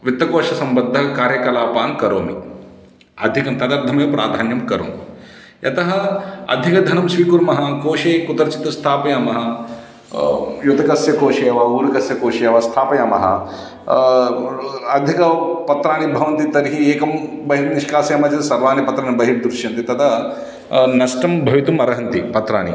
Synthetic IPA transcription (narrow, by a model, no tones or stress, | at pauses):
ʋit̪ːɐkoːʂɐsɐmbɐd̪ʱːɐkaːɾjɐkɐlaːpaːnkɐɾoːmi | ɐ̰d̪ʱikɐmt̪ɐd̪ɐɾd̪ʱɐmɐjpɾa̰ːd̪ʱaːnjɐmkɐɾo̰ːmi | jʔɐ̰t̪ɐɦɐɐ̰d̪ʱikɐd̪ʱɐnɐmsʋiːkuɾmɐɦɐ̆koːʃeːkut̪ɐɾɐt͡ʃi̥t̪ːɐst̪ʰaːpɐjaːmɐɦɐ̆ | jut̪ɐkɐsjɐkoːʃɐjɐʋɐuːɾɐkɐsjɐkoːʂɐjɐʋɐst̪ʰaːpɐjaːmɐ̰ɦɐ̰ | ɐd̪ʱikɐpɐt̪ɾaːnibʱɐʋɐnt̪it̪ɐɾɦieːkɐmbɐɦiʈniʃkaːsjamɐːd͡ʒɐsɐɾʋaːnipɐt̪ɾaːnibɐɦiʈ̚d̪ɾuʃjɐnt̪it̪ɐd̪ɐ | nɐʃʈɐmbʱɐʋit̪umɐɾɐɦɐnt̪ipɐt̪ɾa̰ːnḭ